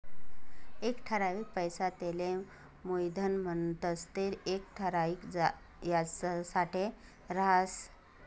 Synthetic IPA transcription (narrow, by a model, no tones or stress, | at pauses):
ekʈʰəɾaʋiːk̚pəjsat̪elẽ | mujd̪ʱənmənt̪əst̪eɾek̚ʈʰəɾaʋikd͡z | jassaʈe | ɾas